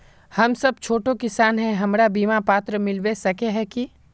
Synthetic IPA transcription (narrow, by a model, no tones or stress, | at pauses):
hɐmsɐb̚t͡ʃʰoːʈokɪsaːnɦɛ̃ɦɐmɾabiːmapaːt̪ɾəmɪlwesɐkeɦɛki